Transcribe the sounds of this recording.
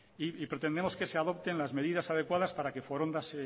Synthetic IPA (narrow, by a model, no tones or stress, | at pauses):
iipɾe̞t̪end̪emo̞ske̞seaðo̞p̚t̪e̞nlazme̞ðiðasað̞e̞kwaðaspaɾakefoɾond̪ase